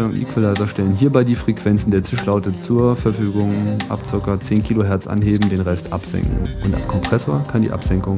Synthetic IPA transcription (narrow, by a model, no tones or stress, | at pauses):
aŋʔḭːkv̥alaɪtɐʃtɛlənɦiːɐbaɪdiːfʁ̥ɛkv̥ɛnt͡sn̩deːɐt͡sɪʃlaʊtət͡suːɐfɛɐfyːɡʊŋʔa̰pt͡sɪɐkɐt͡seːnkʰiːloɦɛɐt͡sʔa̰nɦeːbm̩deːnʁɛstʰʔa̰pz̥ɛ̰ŋkŋ̩ʔʊnta̰ɪnkʰɔmpʁ̥ɛsoɐkʰandḭːʔa̰pz̥ɛŋkʊŋ